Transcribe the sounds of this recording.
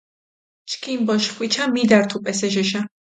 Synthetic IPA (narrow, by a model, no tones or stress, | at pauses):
t͡ʃʰkʰimbɔʃχwit͡ʃʰamid̪aɾt̪ʰupʼɛsɛʃɛʃa